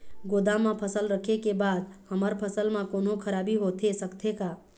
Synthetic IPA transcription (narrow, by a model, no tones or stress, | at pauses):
ɡod̪ãmãpʰəsəlɾəkʰekebad̪həməɾpʰəsəlmãkonokʰəɾabiɦot̪ʰesəkt̪ʰeka